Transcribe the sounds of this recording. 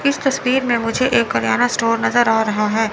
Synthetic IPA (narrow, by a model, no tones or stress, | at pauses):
ɪst̪ɐswiːɾmẽmʊd͡ʒʱeʔeːkːɐɾjaːnasʈoːɾnɐzəɾaːɾɐɦaɦɛː